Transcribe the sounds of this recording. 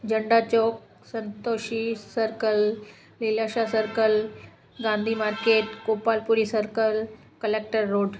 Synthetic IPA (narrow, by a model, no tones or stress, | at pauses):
d͡ʒəɳɖaːt͡ʃoːk̚ | sə̃nt̪oːʃisəɾkəlː | ilaːʃaːsəɾkəl | ɡãːnd̪ʱiːmaːɾkeːʈkoːpaːlpuɾisəɾkəl | kəleːk̚ʈəɾːoːɖ